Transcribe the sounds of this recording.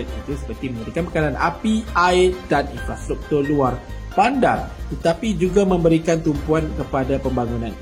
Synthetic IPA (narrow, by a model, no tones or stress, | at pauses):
ət̪̚it̪usə̥pərt̪imə̃mbəɾikanpəkanana̰piʔaɪdanḭnfɾast̪ɾuk̚t̪urluar | panda̰rt̪ət̪apid͡ʒuɡamə̃mbəɾikant̪umpuankəpadapəmbaŋũnãn